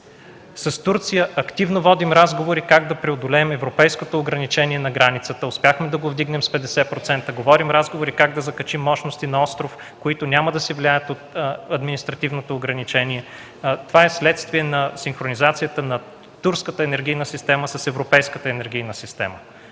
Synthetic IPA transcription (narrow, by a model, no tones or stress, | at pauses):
sɐst̪uɾt̪sijəʔɐkt̪ivnovɔd̪imɾazɡovoɾikaɡd̪ɐpɾɛod̪olɛːmɛvɾopɛjskot̪oːɡɾɐnit͡ʃɛniɛnɐɡɾanit̪sət̪əʊspʲjaxmɛd̪ɐɡovd̪iɡnɛmspɛd̪ɛsɛpɾot̪sɛnt̪əɡovɔɾimɾazɡovoɾikaɡ̚d̪ɐzɐkɐt͡ʃimːɔʃnost̪inɐɔst̪ɾof | koit̪onʲaməd̪ɐsɛvliajət̪ot̪ɐd̪minist̪ɾɐt̪ivnot̪oːɡɾɐnit͡ʃɛnʲiɛ | t̪ovaɛslɛt̪st̪viɛnɐsinxɾonizat̪sijət̪ənɐ | t̪uɾskət̪əɛnɛɾɡʲijnəsist̪ɛməsɐsɛvɾopɛjskət̪əɛnɛɾɡʲijnəsist̪ɛ̰mə